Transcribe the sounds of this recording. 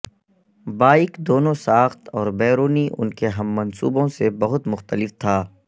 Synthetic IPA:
baːɪkd̪oːnõsaːxt̪ɔːɾbɛːɾoːniʔʊ̰nkeɦɐmːɐnsṵːbõsebɐɦʊt̪mʊxt̪əlɪft̪ʰaː

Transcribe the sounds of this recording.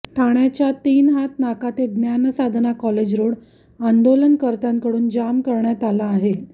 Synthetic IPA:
ʈʰaɳjat͡ɕat̪iːnɦat̪nakat̪eɡnjansad̪ʱnakɔled͡ʑɾoɽ | and̪olənkəɾt̪ãŋkəɽuːnd͡ʑamkəɾɳjat̪alaːɦe

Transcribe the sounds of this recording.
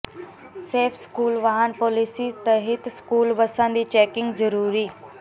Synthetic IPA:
seːfʰskuːlʋaɦanpoːlisit̪ɐɦɪt̪skuːlbəsãnd̪iːt͡ʃɛːkɪ̃ŋɡzəɾuːɾiː

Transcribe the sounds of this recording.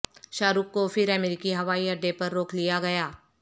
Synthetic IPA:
ʃaːɾukːofɪɾɐmeɾɪkiɦɐʋaːiɐɖepɐɾːoːkʰlijaɡɐjaː

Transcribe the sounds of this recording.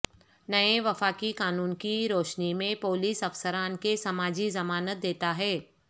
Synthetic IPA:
nɐeʋɐfaːkikaːnuːnkiɾoːʃnimẽpoːliːsɐfsəɾaːnkesɐmaːd͡ʒizɐmaːnət̪̚d̪eːt̪aɦɛː

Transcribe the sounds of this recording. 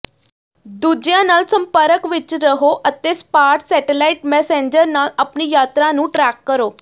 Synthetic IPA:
d̪uːd͡ʒjãːnaːlsəmpəɾəkʋɪt͡ʃɾəɦoːʔət̪eːspaːɾʈsɛːʈelaːɪʈmɛːsẽːɲd͡ʒəɾnaːlaːpniːjaːt̪ɾãːnũːʈɾɛːkːəɾoː

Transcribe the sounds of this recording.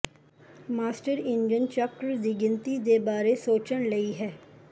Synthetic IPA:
maːsʈəɾɪnd͡ʒənt͡ʃəkɾd̪iːɡɪnt̪iːd̪eːbaːɾeːsoːt͡ʃəɳləiːɦɛː

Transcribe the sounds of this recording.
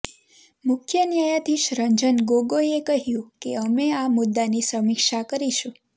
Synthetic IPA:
mʊkʰjənjajat̪ʰiʃɾəɲd͡ʒənɡoɡojekəɦjũkeəmeamʊd̪ːanisəmikʃakəɾiʃũ

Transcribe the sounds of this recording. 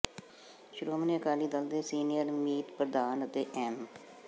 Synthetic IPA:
ʃʊɾuːmniːəkaːliːd̪əld̪eːsiːnijəɾmiːt̪pəɾəd̪aːnət̪eːʔɛːm

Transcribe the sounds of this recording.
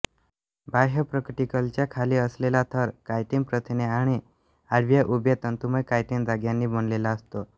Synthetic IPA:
baɦəpɾəkʈikəlt͡ɕjakʰaliːəslelat̪ʰəɾkajt̪impɾət̪ʰineaɽ̃i | aɾʋjaʔubjət̪ənt̪uməjkajt̪ind͡zaɡjanːiːbənlelaəst̪o

